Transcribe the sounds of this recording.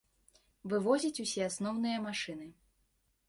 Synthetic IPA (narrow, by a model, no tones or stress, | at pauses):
vɨvɔzʲit͡sʲusʲɛasnɔwnɨjɐmaʂɨnɨ